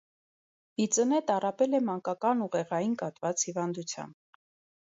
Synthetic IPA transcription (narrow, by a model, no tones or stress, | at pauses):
it͡sənɛt̪ɑrɑpɛlɛmɑŋkɑkɑnuʁɛʁɑjinkɑt̪vɑt͡shivɑnd̪ut͡sʰjɑ̰mb̚